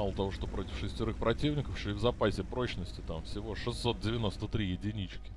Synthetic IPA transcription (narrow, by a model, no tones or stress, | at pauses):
alˠət̪ɐvo̞ʂt̪opɾo̞tʲɪ̥fʂɨsʲtʲɪɾɨxpɾɐtʲivnʲɪkəfʂoɪvzɐpasʲɪpɾo̞t͡ɕnəsʲtʲɪt̪amfsʲɪvo̞ʂɨsːo̞t̪̚dʲɪvʲɪno̞st̪ət̪ɾʲijɪdʲɪnʲit͡ɕkʲɪ̥